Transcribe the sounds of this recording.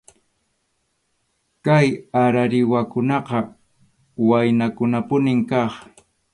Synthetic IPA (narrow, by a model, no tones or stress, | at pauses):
kajaɾaɾɪwakʊnɑqɑ | wajnakʊnapʊnɪŋkɑχ